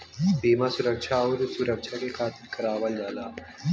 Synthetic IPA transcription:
beːmasuɾəkʃʰaɔːɾsuɾəkʃʰakekʰaːt̪ɪlkəɾaːʋəld͡ʒaːlaː

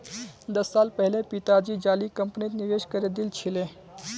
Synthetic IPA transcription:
d̪əsːaːlpəɦlepit̪ad͡ʒid͡ʒaːlikəmpnit̪niʋeʃkəɾed̪ilt͡ʃʰilẽ

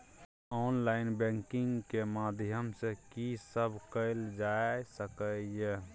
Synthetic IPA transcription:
ɔːnlaɪnbɛ̃ːŋkɪŋɡkemaːd̪ʱjəmsekisəbʱkəɪld͡ʒasəkəje

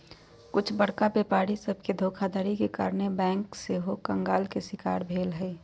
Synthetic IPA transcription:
kʊt͡ʃʰbəɽ̤kabeːpaːɾisəb̚ʱked̪ʱoːkʰad̪əɾikeka̰ːɾnebɛ̃ːŋkseɦokə̃ŋɡaːlkesɪkaːɾbʱeːlɦɛː

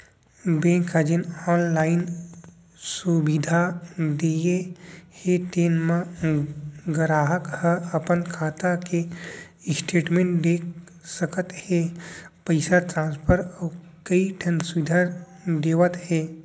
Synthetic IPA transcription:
bẽːŋkəd͡ʒənɔːnlaːɪn | subid̪ʱad̪ejeheʈeːnmã | ɡəɾaːɦəkhəəpənkʰaːt̪ake | ɪsʈʰeːʈmẽɳʈd̪eːk̚ | səkət̪hepəɪsat̪ɾãːnspʰəɾakəiʈʰɐnsʊʋid̪ʱa | d̪eːʋət̪ɦeː

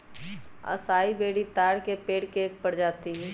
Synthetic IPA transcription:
ə̰saːibeːɽit̪aːɽkepeːɽkeːk̚pəɽd͡ʒaːt̪iɦɛː

